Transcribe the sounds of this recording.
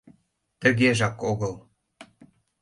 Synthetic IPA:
t̪ə̆ɣeʒɑkoɣəl

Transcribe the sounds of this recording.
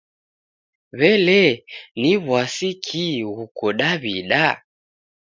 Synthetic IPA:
βɛlɛniβwasikʰiɣukɔɗaβiɗa

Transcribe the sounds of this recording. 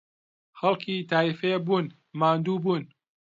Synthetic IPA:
xɐlˠkʰiːt̪ʰaːifebuːn | maːnd̪uːbuːn

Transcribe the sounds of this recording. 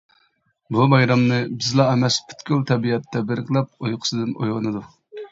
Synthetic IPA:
bumɑjɾɑmnɨbɪzlˠɑɛmɛspʰy̥t̪kʲylt̪ʰɛbiɛt̪ːɛbɪɾɨkʰlˠɑp̚ojqʰʊ̥sɨd̪ɨno̰jwɑnɨd̪u

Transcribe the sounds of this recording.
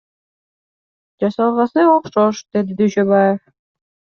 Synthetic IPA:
d͡ʒɑsɑlˠʁɑsɯoqʃoʃd̪̥ed̪id̪yʃøβajef

